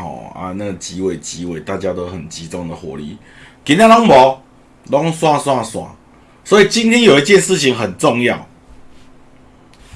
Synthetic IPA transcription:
ɔ̰˨˩a̰˧na˥˩ɡə˨˩t͡ɕi˨˦we˨˩t͡ɕi˨˦we˨˩ɪt̪a˥˩t͡ɕja˦t̪o˧˦ʊxə˨˩nt͡ɕi˨˦t͡sɔ˥˧ŋd̪ə˨xwɔ̰˨˩˦lḭ˧˦ | ki˨˦nã˥˦lɔ˦˥ŋbɔ˨˦ | lɔ˦ŋswã˥˧swã˥˧swã̰˥˩˨ | swɔ˧˦˥i˨t͡ɕi˦nt̪ʰjɛ˦njo˨˩ʊi˦t͡ɕjɛ˥˧nʂɻ̩˥˨t͡ɕʰi˨ŋɦə˨˩nt͡sɔ˥˧ŋja˥˨ʊ

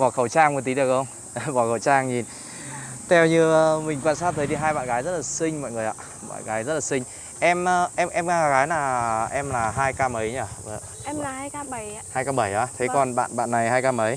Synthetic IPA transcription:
vɔ˧˩xə˨˩wt͡ɕaː˧ŋə˨˩t̪i˨˦ɗək̚xə˧wŋ͡m | vɔ˧˩xə˨˩wt͡ɕaː˧ŋɲi˨˩n | t̪ʰɛ˧wɲɨ˧ə˧mï̟˨˩va̰˧˨nsaː˦˧w̚t̪ʰə˨˦jɗi˧ɦaː˧jɓa̰ː˧˨nɣaː˨˦jzə˦˥t̚laː˨˩sï˧ŋ̟mɔ̰˧˨jŋɨ˨˩əjʔa̰ː˧ | ɓa̰ː˧˨nɣaː˨˦jzə˦˥t̚laː˨˩sï˧ŋ̟ | ʔɛ˧mː˧ʔɛ˧mʔɛ˧mɣaː˧a˧˩ɣaː˨˦jnaː˨˩ʔɛ˧mlaː˨˩ɦaː˧jkaː˧mə˨˦jɲaː˧˩və˨˦ | ɛ˧˨˧a˧˩jhaː˧jkaː˧ɓə˧˩jʔa̰ː˨˧˦t̪ʰe˨˦kɔ˨˩nɓa̰ː˧˨nɓa̰ː˧˨nːa˨˩jhaː˧jkaː˧mə˨˦j

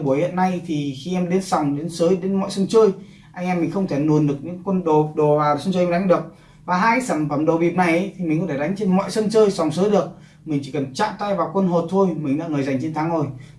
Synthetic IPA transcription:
ɓu˧˩əjhḭ˧˨ənːa˧jt̪ʰi˨˩xi˧ʔɛ˧mɗe˨˦nsa˨˩wŋ͡mɗe˨˦nsəː˨˦jɗe˨˦nmɔ̰˧˨jsə˧nt͡ɕəː˧j | ʔa˧ŋʔɛ˧mːï˨˩ŋ̟xə˧wŋ͡mt̪ʰe˧˩nu˨˩ənɗɨ˨˩ək̚ɲɨ̰˧˥ŋkwə˧nɗo˨˩ɗo˨˩vaː˨˩˨sə˧nt͡ɕə˧ɗa˨˦ŋ̟ɗɨ˨˩ək̚ | vaː˨˩ɦaː˧jsə˨˧˩mfə˨˧˩mɗo˨˩ɓi˨˩əp̚na˨˩jʔə˨˦jt̪ʰi˨˩mi˨˩ŋku˧˥t̪ʰe˧˩ɗa˨˦jŋ̟t͡ɕe˧nmɔ̰˧˨jsə˧nt͡ɕəː˧jsa˨˩wŋ͡msəː˨˦jɗɨ˨˩ək̚ | mï˨˩ŋ̟t͡ɕi˧˩kə˨˩nt͡ɕa̰ː˧˨mt̪a˧jvaː˨˩wkwə˧nɦo˨˩t̚t̪ʰo˧jmï˨˩ŋ̟ɗa̰ː˧˥ŋɨ˨˩əza˨˩jŋ̟t͡ɕe˧nt̪ʰa˨˦ŋzo˧˩j

